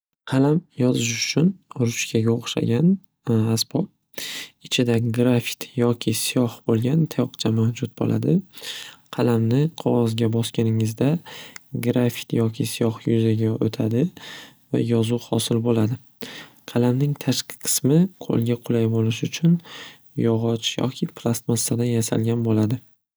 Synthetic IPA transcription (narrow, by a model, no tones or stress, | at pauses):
qʰɑlamjɒzɪʃʊ̥t͡ʃʰʊnɾʊt͡ʃkʲʰaɡʲaoχʃa̰ɡʲan | asb̥ɒp̚ | ɪt͡ʃʰɪd̪aɡɾafi̥t̪ʰjɒkʲʰɪsɪjɒhbolˠɡʲant̪ʰajɒqt͡ʃʰamawd͡ʒʊt̪̚bo̰lʔa̰d̪ɪ | qʰɑlamnɪqʰɒɒzɡʲabɒskʲanɪŋɪzd̪aɡɾafi̥t̪jɒkʲʰɪsijɒhjʊzaɡʲao̰t̪ʰad̪ɪva̰jɒzuhɒsɪlbolad̪ɪ | qʰɑlamnɪŋt̪ʰaʃqɨ̥qʰɨ̥smɪqʰo̰lˠɡʲaqʰʊlajbolɪʃʊt͡ʃʰʊn | jɒʁɒt͡ʃʰjɒ̰kʲʰɪpʰlˠast̪masad̪anjasa̰lɡʲanbolad̪ɪ